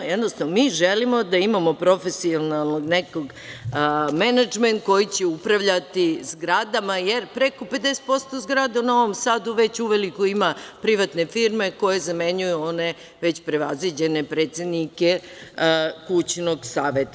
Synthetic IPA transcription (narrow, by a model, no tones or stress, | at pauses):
jed̪nost̪amiʒelimo̞d̪aimamo̞pɾo̞fesionalˠnoɡneko̞ɡ | menad͡ʒment̪̚ko̞jit͡ɕeupɾaʋʎat̪izɡɾad̪amajeɾpɾe̞ko̞ped̪ese̥t̪̚po̞st̪o̞zɡɾad̪aunao̞ʋo̞msaːd̪uʋe̞t͡ɕuʋelikoimapɾiʋat̪ne̞fiɾme̞ko̞jezame̞ɲujuo̞ne̞ | ʋet͡ɕpɾe̞ʋazʋid͡ʑene̞pɾe̞ːt̪se̞d̪nike | kut͡ɕnoɡsaːʋet̪a